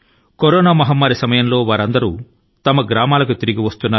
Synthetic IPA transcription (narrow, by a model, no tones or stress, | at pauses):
koɾoːnaːmɐɦɐmːaːɾisɐmɐjɐmlo̞ːʋaːɾɐnd̪ɐɾuː | t̪ɐmɐɡɾaːmaːlɐkut̪iɾiɡiʋɐst̪unːaː